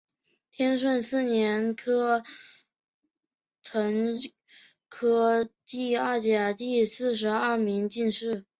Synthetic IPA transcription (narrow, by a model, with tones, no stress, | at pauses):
t̪ʰjɛ˥nʂ̬wə˥˧nsɹ̩˥˩njɛ˧˥nkʰɤ˥ | t͡sʰwə˧˥n | kʰɤ˥t̪i˥˧ɐ˥˩t͡ɕja˨˩t̪i˥˧sɹ̩˥˩ʂ̬ɻ̩˧˥ɐ˥˩mi˧˥ŋt͡ɕi˥˧nʂɻ̩˥˩